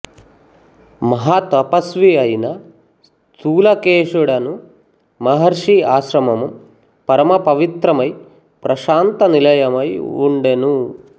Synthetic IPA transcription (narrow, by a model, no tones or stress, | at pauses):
mɐɦaːt̪ɐpɐsʋiɐjinɐ | t̪ʰuːlɐkeːʂuɽɐnu | mɐɦɐɾʂiaːʃɾɐmɐmu | pɐɾɐmɐpɐʋit̪ɾɐmɐj | pɾɐʃaːnt̪ɐnilɐjɐmɐjuɳɖenu